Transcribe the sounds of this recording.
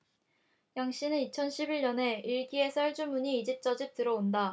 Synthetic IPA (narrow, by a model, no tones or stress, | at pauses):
jaŋɕ͈inɯnit͡ɕʰʌnɕʰibiɭɲʌne̞iɭɡie̞sʰaɭd͡ʑumuɲiːd͡ʑip̚t͡ɕ͈ʌd͡ʑip̚t͈ɯɾʌonda